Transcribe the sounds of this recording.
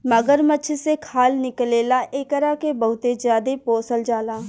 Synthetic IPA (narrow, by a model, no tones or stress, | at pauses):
məɡəɾmətːt͡ʃʰsekʰaːlnɪkleːlaʔeːkəɾakebəɦʊt̪ezjaːd̪epoːsəld͡ʒaːlaː